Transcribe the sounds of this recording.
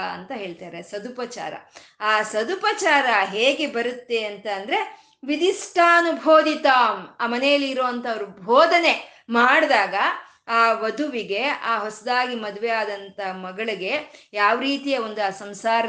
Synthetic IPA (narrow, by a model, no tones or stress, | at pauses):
ɐ̰nt̪ɐɦe̞ːɭt̪aːɾesɐd̪upɐt͡ʃa̰ːɾɐ̰ | aːsɐd̪upɐt͡ʃaːɾɐɦeːɡebɐɾut̪ːe̞ɐnt̪ɐːnd̪ɐɾe̞ | ʋid̪isʈʰaːɐnubʱoːd̪it̪aːmaːmɐnɛjɐlːiːɾoːɐnt̪ɐɐʋɐɾubʱoːd̪ʱɐne̞ | maːɽd̪aːɡɐ | aːʋɐd̪uʋiɡe̞aːɦosɐd̪aːɡimɐd̪uʋeaːd̪ɐnt̪ɐmɐɡɐɭiɡe̞jaːʋɾiːt̪ijɐo̞nd̪uaːsɐmsaːɾɐ